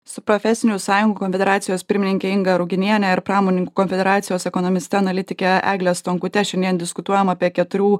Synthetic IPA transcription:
sʊpɾɔfʲɛsʲɪnʲusɑːjʊŋɡuːkɔnfʲɛd̪ɛɾɑːt̪sʲɪjoːspʲɪɾʲmʲɪnʲɪŋʲkʲɛɪŋɡɐɾʊɡʲɪnʲiɛnʲɛɪɾpɾɑːmonʲɪŋkuːkɔnʲfʲɛd̪ʲɛɾɑːt̪sʲɪjoːsɛkɔnɔmʲɪsʲt̪ʲɛɐnɐlʲɪt̪ʲɪkʲɛæ̰ːɡlʲɛst̪ɔŋkʊt̪ʲɛʃʲɛnʲd̪ʲiɛnd̪ʲɪskʊt̪uɔjɛmɐːpʲiɛkʲɛt̪ʊɾʲuː

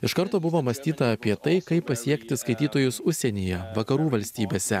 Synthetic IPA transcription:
ɪʃkɐɾt̪oːbʊʋoːmɐsʲt̪ʲiːt̪ɐɐpʲiɛt̪ɐɪkɐɪpːɐsʲiɛkt̪ʲɪskɐɪt̪ʲiːt̪oːjʊsʊʃʲsʲɛnʲijɛʋɐkɐɾuːʋɐlʲsʲt̪ʲiːbʲeːsʲɛ̰

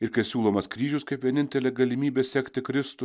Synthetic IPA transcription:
ɪɾkɐɪsʲuːlˠoːmɐskɾʲiːʒʲʊskɐɪpʋʲiɛnʲɪnʲt̪ʲɛlʲeɡɐlʲɪmʲiːbʲeːsʲɛkt̪ʲɪkɾʲɪst̪ʊ

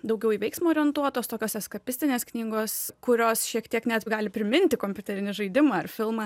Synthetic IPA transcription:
d̪ɐʊɡʲɛʊiːʋʲɛɪksmuoːɾʲɪɛnt̪uɔt̪oːst̪oːkʲoːsɛskɐpʲɪsʲt̪ʲɪnʲeːsknʲiːɡoːskʊɾʲoːsʃʲiɛkt̪ʲiɛknʲɛt̪ɡɑːlʲɪpʲɾʲɪmʲɪnʲt̪ʲɪkomʲpʲʊt̪ʲɛɾʲɪnʲɪʒɐɪd̪ʲɪmɐːɐrfʲɪlˠmɑː

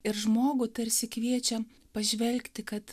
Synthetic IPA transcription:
ɪɾʒmoːɡʊt̪ɐɾʲsʲɪkʋʲiɛt͡ʃʲɛ | pɐʒʲʋʲɛlʲkt̪ʲɪkɐt̪

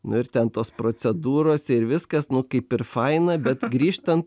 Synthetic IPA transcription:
nʊɪɾt̪ʲɛnt̪oːspɾoːt͡s̪ʲɛd̪uːɾoːsʲɪɾʋʲɪskɐsnʊkɐɪpɪɾfɐɪnɐbʲɛt̪ɡɾʲiːʃt̪ɐnt̪

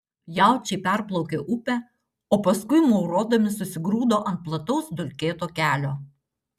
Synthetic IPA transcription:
jɑˑʊt͡ʃʲɛɪpʲæɾplˠɔʊkʲeːʔʊpʲɛ | oːpɐskʊɪmɔʊɾoːd̪ɐmʲɪsʊsʲɪɡɾuːd̪oːʔɐnt̪̚plˠɐt̪ɔʊsd̪ʊlʲkʲeːt̪oːkʲæːlʲoː

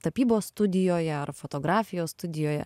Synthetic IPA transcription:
t̪ɐpʲiːboːsst̪ʊd̪ʲɪjoːjɛɐrfoːt̪oːɡɾɑːfʲɪjoːsst̪ʊd̪ʲɪjoːjɛ̰

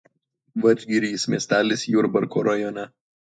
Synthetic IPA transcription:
ʋɐd͡ʒʲɡʲiɾʲismʲiɛsʲt̪ʲæːlʲɪsʲjuɾbɐɾkoːɾɐjɔnʲɛ

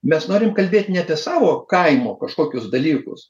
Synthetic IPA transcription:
mʲɛsnoːɾʲɪmkɐlʲbʲeːt̪ʲnʲɛɐpʲɛsɑːʋoːkɐɪmoːkɐʃkoːkʲʊsd̪ɐlʲiːkʊ̰s

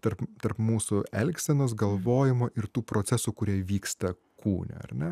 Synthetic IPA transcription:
t̪ɐɾpt̪ɐɾpmuːsʊɛlʲksʲɛnoːs̬ɡɐlˠʋoːjɪmoʔɪɾt̪uːpɾoːt͡s̪ʲɛsukʊɾʲiɛʋʲiːkst̪ɐ | kʰuːnʲɛ̰ɐ̰ɾnʲɛ

